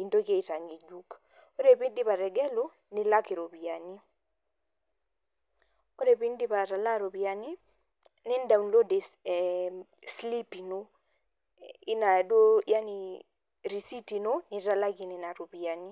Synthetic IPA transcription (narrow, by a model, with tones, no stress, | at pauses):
i˨nto˦ke˦i˨ta˨ɲi˨d͡ʒu˦k | o˦ɾe˨pi˦ndi˦pa˨ɾɛ˨ɡɛ˦lo˦ | nɪ˨la˦ke˨ɾo˨pi˨ani˦ | o˦ɾe˨pi˦ndi˦pa˨ta˨la˦ɾo˨pi˨a˨ni˦ | nɪ˦nda˨unlo˦de˨ | sli˦pi˨no˦ | i˦na˨do˦ja˦ni | ɾi˨si˦ti˨no˦ni˨ta˨la˦ki˨nɪ˨na˨ɾo˨pi˨ani˦